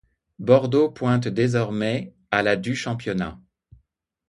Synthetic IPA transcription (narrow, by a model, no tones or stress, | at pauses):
bɔʁd̪opwɛ̃t̪d̪ezɔʁmɛ | alad̪yʃɑ̃pjɔna̰